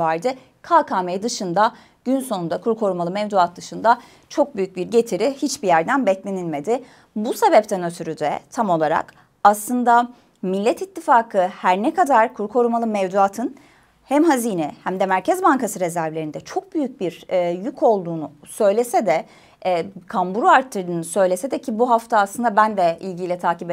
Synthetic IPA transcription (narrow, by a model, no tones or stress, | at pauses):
aɾd̪ɯ | kʰaːkʰaːmejd̪ɯʃɯnd̪a | ɟ̥ynso̞nund̪akʰuɾkʰo̞ɾumalˠɯmɛvd̪uat̪̚d̪ɯʃɯnd̪a | t͡ʃʰo̞k̚byjyc̚biɾɟe̞t̪ʰiɾihit͡ʃbijæɾd̪ænbɛt̪lʲe̞nilʲme̞d̪ɪ | buse̞bɛp̚t̪ʰænø̞t̪ʰyɾyd̪ɛ̰t̪ʰamo̞lˠaɾa̰k | aslˠɯnd̪a | milʲːɛt̪it̪ʰːifaːkʰɯhæɾnɛkad̪aɾkʰuɾkʰo̞ɾumalˠɯmɛvd̪uaːt̪ʰɯn | hæmɦaziːnɛhæmd̪ɛmæɾcʰɛzbaŋkʰasɯɾe̞zæɾvlʲe̞ɾind̪ɛt͡ʃʰo̞k̚byjyc̚biɾjycʰo̞lˠd̪uːnusø̞jlʲe̞sɛd̪ɛ | kʰambuɾuaɾt̪ʰːɯɾd̪ɯːnɯsø̞jlʲesɛd̪ɛcʰibuɦaft̪ʰaːslɯnd̪abænd̪ɛilʲɟilʲɛt̪ʰaːcibe